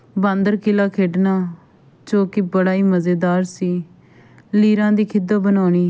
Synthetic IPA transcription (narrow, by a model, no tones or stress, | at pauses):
bãːnd̪əɾkɪlaːkʰeːɖnaː | t͡ʃoːkiːbəɽaːiːməzeːd̪aːɾsiː | liːɾãːd̪iːkʰɪd̪aːbənaːɳiː